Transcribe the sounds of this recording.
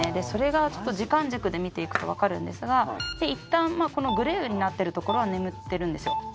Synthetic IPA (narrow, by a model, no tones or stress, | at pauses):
ed̪e̞so̞ɾe̞ɡat͡ɕo̞̥t̪ːo̞ʑikãɲd͡ʑɨkɯ̟d̪e̞mʲit̪e̞ikɯ̟̥t̪o̞̰βakaɾɯ̟̃nd̪e̞sɨɡad̪̥e̞it̪ːãmmaːko̞no̞ɡɯ̟ɾeːɯ̟ɲ̟inat̪ːe̞ɾɯ̟t̪o̞ko̞ɾo̞βane̞mɯ̟t̪ːe̞ɾɯ̟̃nd̪e̞sɨjo̞